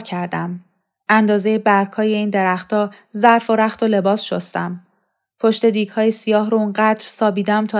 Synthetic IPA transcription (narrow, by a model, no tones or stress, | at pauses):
cʰæɾd̪æm | ʔænd̪ɒːzejebæɾkʰɒːje̞iːnd̪e̞ɾæχt̪ɒː | zæɾfo̞ɾæχt̪o̞le̞bɒːsʃost̪æm | pʰo̞ʃt̪e̞d̪iːɡhɒːjesijɒːɦɾoonɢæd̪ɾsɒːbiːd̪æmt̪ʰɒː